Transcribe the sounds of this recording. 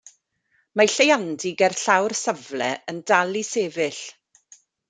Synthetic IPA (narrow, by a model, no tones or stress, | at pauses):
maɬejandɪɡɛrɬawrsəvlɛ̰əndalˠiseːvɪɬ